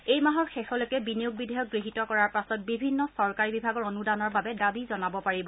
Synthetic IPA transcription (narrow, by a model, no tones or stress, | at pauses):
ejmaɦɔɹxɛxɔlokɛbinijuɡ̚bidʱɛjɔk̚ɡɹiɦitɔkɔɹaɹpasɔt̚bibʱinːɔsɔɹkaɹibibʱaɡɔɹonudanɔɹbabɛdabizɔnabɔpaɹibɔ